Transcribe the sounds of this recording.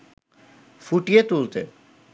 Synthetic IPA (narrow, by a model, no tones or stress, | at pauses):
fuʈiet̪ult̪e